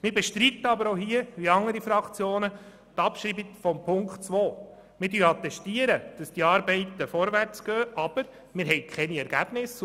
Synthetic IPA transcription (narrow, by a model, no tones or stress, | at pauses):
mɪɾbɛʃtɾit̪ːəɑbəɾoɦiəʋiɑŋəɾifɾɑkt͡sjoːnə | tɑpʃɾiːbikfɔmpʰʊŋkχtt͡sʋoː | mɪɾdyːɑt̪ɛstiəɾəd̥ɑsd̥iɑːɾbɛɪt̪əfɔɾʋært͡sɡ̥œːʔɑb̥əɾ | mɪɾɦɛɪkʰχɛniɛɾɡ̥æb̥nɪs